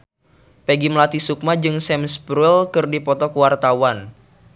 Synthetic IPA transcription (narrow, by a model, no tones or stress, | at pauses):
peɡimlat̪isuk̚mad͡ʒɨŋsɛmsbɾulkɨrdipɔt̪ɔkuwart̪awan